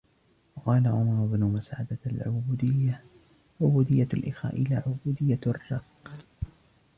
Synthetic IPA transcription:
wɑqɑːlaʕʊmɑɾˤʊbnʊmasʕa̰d̪alʕʊd̪ɪjːa | ʕʊbuːd̪ɪjːalʔɪxa̰ːʔɪlaːʕʊbuːd̪ɪjːarˤːɑqː

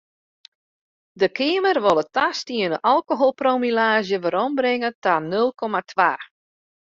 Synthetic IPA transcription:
dəkʰɪːəmərʋolˠətastiənəʔɔlˠkoɦolˠpromilaːʒjəʋəɾɔmbɾɪŋətanølˠkʰɔmatʰʋaː

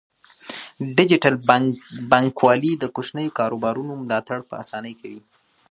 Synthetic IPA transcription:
ɖɪd͡ʒɪʈalbɑŋkwɑlid̪əkoʃnəjokɑɾobɑɾunomʊlɑt̪aɽpə̰asɑnəjkʰawi

